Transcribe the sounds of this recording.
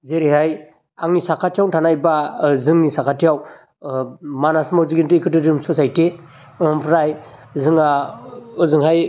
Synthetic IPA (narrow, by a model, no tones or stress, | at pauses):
zeɾihaj | aŋnisakʰatʰijawtʰanajbazɯŋnisakʰatijaw | manasmawziɡintɯikʰɯtɯdɯmsɔsajte | ɔmpʰɾajzɯŋaɯzɯŋɦaj